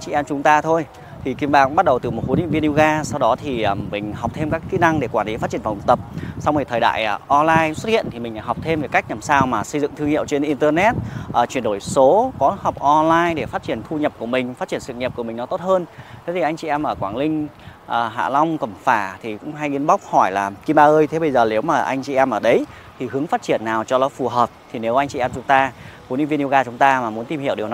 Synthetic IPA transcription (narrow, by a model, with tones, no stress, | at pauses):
ŋt͡ɕḭ˧˨ʔɛ˧mt͡ɕʊ˨˦ŋ͡mt̪aː˧t̪ʰo˧j | t̪ʰi˨˩ki˧˩əmɓaː˨˩kŋ͡mɓa˦˥t̚ɗə˨˩wt̪ɨ˨˩mo˨˩t̚so˨˦nḭ˧˨nvi˧nʔi˧ɣaː˧sa˧wɗɔ˨˦t̪ʰi˨˩˨mï˨˩ŋ̟ɦa˨˩k͡p̚t̪ʰe˧mkaː˦˥kkḭ˧˥na˧ŋɗe˧˩kwaː˧˩nli˨˦faː˦˥tt͡ɕi˧˩ə˩va̰˨˩˧t̪ə˨˩p̚sa˧wŋ͡mt̪ʰi˨˩t̪ʰəː˨˩ɗa̰ː˧˨jʔɔ˧nlaː˧jswə˦˥t̚hḭ˧˨ənt̪i˨˩mï˨˩ŋ̟a̰ː˧˩ɦwk͡p̚t̪ʰe˧mve˨˩jka˦˥jk̚nlaː˨˩msaː˧wmaː˨˩sə˧jzɨ̰˧˨ŋt̪ɨ˧əŋḭ˧˨əwt͡ɕe˧nʔi˧nt̪əː˧nɛ˦˥t̚ʔəː˨˩t͡ɕwi˧˩ənɗo˧˩jso˨˦kɔ˨˦ha˨˩wk͡p̚ʔɔ˧nlaː˧jɗe˧˩faː˦˥t̚t͡ɕi˧˩ənt̪ʰu˧ɲə˨˩p̚ku˧˩əmï˨˩ŋ̟faː˦˥t̚t͡ɕi˧˩ənsɨ̰˧˨ŋɲi˨˩p̚ku˧˩əmï˨˩ŋ̟nɔ˨˦t̪o˦˥t̚həː˧nt̪ʰe˨˦t̪ʰi˨˩ʔa˧jt͡ɕḭ˧˨ʔɛ˧mʔəː˧˩kwaː˧˩nlï˧ŋ̟ | ʔəː˨˩ɦa̰ː˧˨la˧wŋ͡mkə˧˩mfaː˧˩t̪ʰi˨˩kʊ̰˧˥ŋ͡mɦa˧jʔi˧˦ənɓa˦˥k͡p̚hɔ˧˩jlaː˨˩ki˧ɓaː˧ʔəː˧jt̪ʰe˨˦ɓə˧jzəː˨˩ne˨˦wmaː˨˩ʔa˧jŋ̟t͡ɕḭ˧˨ʔɛ˧mʔəː˧˩ɗə˨˦j | t̪ʰi˨˩hɨ˨˦əŋfaː˦˥t̚t͡ɕi˧˩ənːaː˨˩wt͡ɕɔ˧lɔ˨˦fu˨˩ɦəː˨˩p̚t̪ʰi˨˩ne˨˦wʔa˧ŋt͡ɕḭ˧˨ɛ˧mt͡ɕʊ˨˦ŋ͡mt̪aː˧ku˨˦ni˧nvi˧nʔi˧ɣaː˧t͡ɕʊ˨˦ŋ͡mt̪aː˧maː˨˩mu˨˦ənt̪i˧mhi˧˩əwɗwnɔ˨˦